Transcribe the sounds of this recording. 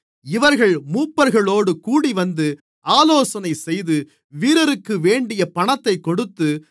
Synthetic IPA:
ɪʋɐɾɣɐɭmuːpːɐɾɣɐɭoːɽɯkuːɽiʋɐnd̪ɯ | aːloːsɐnɐɪsɛjðɯ | ʋiːɾɐɾɯkːɯʋeːɳɖɪjɐpɐɳɐt̪ːɐɪkːɔɽɯt̪ːɯ

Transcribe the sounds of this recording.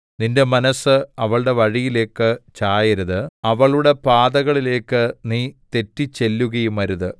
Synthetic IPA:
ninde̞mɐnɐsɨɐʋɐɭɽe̞ʋɐɻijile̞ːkːɨt͡ɕaːjɐɾuðɨɐʋɐɭuɽe̞paːðɐɣɐɭile̞ːkːɨniːt̪e̞tːit͡ɕːe̞lːuɣɐjumɐɾuðɨ

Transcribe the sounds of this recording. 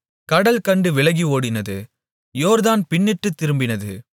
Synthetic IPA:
kɐɽɐlkɐɳɖɯʋɪɭɐɣioːɽɪnɐðɯ | joːɾðaːnpɪnːɪʈːɯt̪ːɪɾɯmbɪnɐðɯ

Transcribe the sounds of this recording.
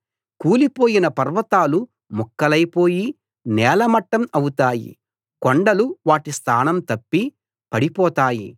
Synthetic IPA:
kuːlipo̞ːjinɐpɐɾʋɐt̪aːlu | mukːɐlɐjpoːji | nɛːlɐmɐʈːɐmɐwut̪aːjḭ | koɳɖɐluʋaːʈist̪ʰaːnɐmt̪ɐpːi | pɐɽipɔːt̪aːjḭ

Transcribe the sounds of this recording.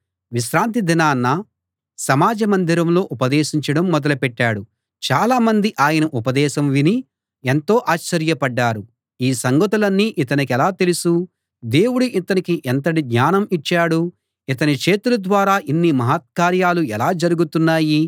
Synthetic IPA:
ʋiʃɾaːnt̪id̪inaːnːɐ | sɐmaːd͡ʒɐmɐnd̪iɾɐmlo̞ːʔupɐd̪eːʃiɲt͡ʃɐɽɐmːɔd̪ɐlɐpɛʈːaːɽu | t͡ʃaːlaːmɐnd̪iʔaːjɐnɐʔupɐd̪ɛːʃɐmʋini | ent̪o̞ːʔaːt͡ʃːɐɾjɐpɐɖːaːɾu | iːsɐŋɡɐt̪ulɐnːiːʔit̪ɐnikɛlaːt̪elusu | d̪e̞ːwuɽuʔit̪ɐnikiʔent̪̬ɐʈiɡɲaːnɐmit͡ʃːaːɽu | it̪ɐnit͡ʃe̞ːt̪ulɐd̪ʋaːɾaːʔinːimɐɦaːt̪̚kaːɾjaːluɛlaːd͡ʒɐɾuɡut̪unːaːji

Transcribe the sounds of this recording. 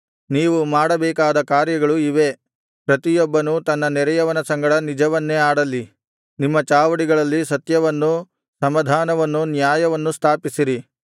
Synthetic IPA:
niːʋumaːɽɐbɛːkaːd̪ɐkaːɾjɐɡɐɭuiʋe̞ | pɾɐt̪ijɔbːɐnut̪ɐnːɐnɛɾɐjɐʋɐnɐsɐŋɡɐɽɐnid͡ʒɐʋɐnːeaːɽɐlːi | nimːɐt͡ʃaːʋɐɽiɡɐɭɐlːisɐt̪jɐʋɐnːu | sɐmɐd̪ʱaːnɐʋɐnːunjaːjɐʋɐnːust̪ʰaːpisiɾi

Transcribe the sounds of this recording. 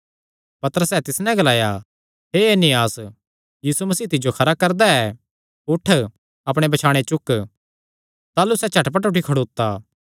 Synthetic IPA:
pɐt̪əɾəsɛt̪ɪsnɛ̃ɡɐlaːja | ɦeːeːnɪjaːs | jiːsumɐs̬iːt̪ɪd͡ʒokʰɐɾakɐɾd̪aɛ | ʊʈʰ | ɐpɽ̃ebɐt͡ʃʰaːɽ̃et͡ʃʊk | t̪aːlusɛt͡ʃʰɐʈpɐʈʊʈikʰɐɽoːt̪ːaː

